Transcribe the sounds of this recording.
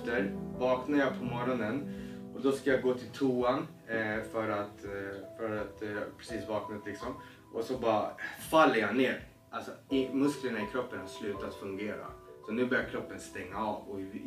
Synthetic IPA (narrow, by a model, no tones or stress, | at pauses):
t̪əɾvɑːknajɑpʰɔmɔɾɔnənɔd̪ɔskajaɡoːt̪ʰɪlt̪ʰuːan | fœɾat̪fœɾat̪ɑpʰɾɛsiːsvɑːknat̪lɪksɔm | ʔɔsɔbɑːɾafalːəɾjaneːɾ | ʔalsɔɪmɵsklənaɪkʰɾɔpːənslʉ̟ːt̪at̪fɵŋɡeːɾa̰sɔnʉ̟ːbœːɾjaɾkʰɾɔpːənst̪ɛŋːaɑːvɔ